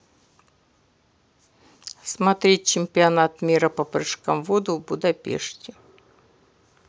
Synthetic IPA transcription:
smɐt̪ɾʲet̚ʲt͡ɕɪmʲpʲɪɐnat̪mʲiɾɐpɐpɾɨʂkɐmvod̪ʊvbʊd̪ɐpʲḛʂtʲɪ

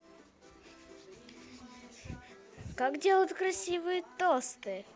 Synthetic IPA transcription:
kakdʲelˠət̪kɾɐsʲivɨjət̪ost̪ɨ

